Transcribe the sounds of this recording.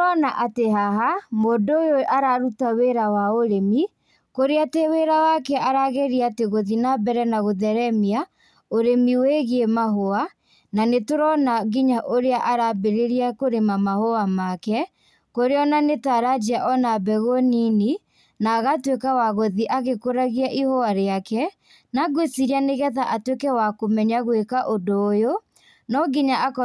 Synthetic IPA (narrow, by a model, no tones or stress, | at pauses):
ɔnaʔateɦaɦamoːdːjoaɾaɾutaweɾawaoɾemi | koɾeateweɾawakɛaɾaɣeɾiateɣoðinabɛɾɛnaɣoðɛɾɛmia | oɾemiweɣemaɦoa | nanetoɾɔnaɣiɲaʔoɾeaʔaɾabeɾeɾiakoɾemamahoamakɛ | koɾeɔnanetaɾad͡ʒiaʔɔnabɛɣonini | naːɣatwekawaɣoðiʔaɣekoɾaɣiaʔihoaɾeakɛ | naɡwesiɾianeɣɛðaʔatwekɛwakomɛɲaɣwekaʔodoːjo | nɔɡiɲaʔakɔ